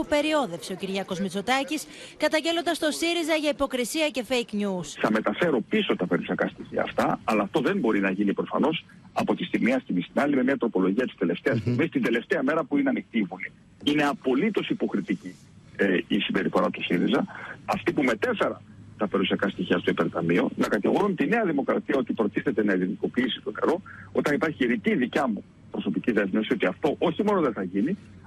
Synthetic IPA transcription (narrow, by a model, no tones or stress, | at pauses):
upe̞ɾio̞ðe̞fseo̞ciɾʝɐko̞zmit͡so̞t̪ɐcis | kɐt̪ɐɲɟe̞lo̞nd̪ɐst̪o̞siɾizɐʝɐipo̞kɾisiɐce̞fejkɲusθɐme̞t̪ɐfe̞ɾo̞piso̞t̪ɐpe̞ɾusiɐkɐst̪içiɐ̰ːft̪ɐɐlɐːft̪o̞ðe̞mbo̞ɾinɐʝinipɾo̞fɐ̰no̞s | ɐpot̪ist̪iɣmiɐst̪imist̪inɐlime̞mɲɐt̪ɾo̞po̞lo̞ʝiɐt̪i̥st̪ele̞ft̪eɐst̪iɣmist̪ind̪e̞le̞ft̪eɐme̞ɾɐpuineɐnixt̪ivuli | ine̞ɐpo̞lit̪o̞sipo̞xɾit̪ici | isimbe̞ɾifo̞ɾɐt̪usiɾizɐɐft̪ipume̞t̪e̞fe̞ɾɐnt̪ɐpe̞ɾusiɐkɐst̪içiɐst̪oipeɾt̪ɐmio̞̰nɐkɐt̪iɣo̞ɾunmt̪ine̞ɐðimo̞kɾɐt̪iɐo̞t̪ipɾo̞t̪iθe̞t̪e̞nɐiliniko̞piisi̥t̪o̞ne̞̰ɾo̞o̞t̪ɐnipɐɾçiiɾiciðicɐmu | pɾo̞so̞piciðe̞zmefsio̞t̪iɐft̪o̞ʔo̞çimo̞no̞ðeθɐʝini